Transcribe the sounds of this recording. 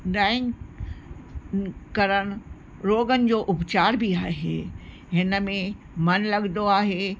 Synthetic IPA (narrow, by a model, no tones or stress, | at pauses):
ɖaːɪ̃ŋ | kɐɾəɽ̃̆ | ɾoːɡənɪ̆d͡ʑoːʔʊpt͡ɕaːɾbiaːɦḛː | ɦɪnə̆mẽ | mɐnlɐɠnd̪oaːɦeː